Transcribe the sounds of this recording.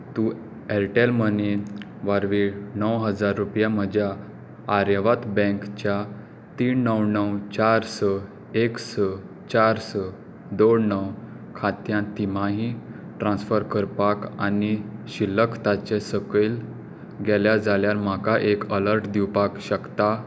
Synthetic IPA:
t̪u | ɛɾʈelməne | ʋaɾʋinəwɦəd͡zaɾːupjam̤əd͡ʑʱjaː | ɾjəʋat̪bɛ̃kt͡ɕja | t̪iːɳnəwnəwt͡ɕaɾsə | eksə | t͡ɕaɾsə | d̪oɳnəw | kʰat̪jãt̪im̤aɦi | ʈɾãnsfəɾkəɾpaka̰niɕilːəkt̪at͡ɕesəkel | ɡɛljad͡zaljaɾmakaʔekələɾʈd̪iwpakɕəkt̪a

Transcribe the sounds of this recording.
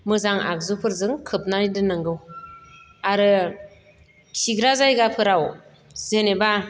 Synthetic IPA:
mɯzaŋa̰k̚zɯpʰɯɾzɯŋkʰɯp̚naɾidɯnaŋɡɯw | aɾɯ | kʰiɡɾazajɡapʰɯɾaw | zeneba

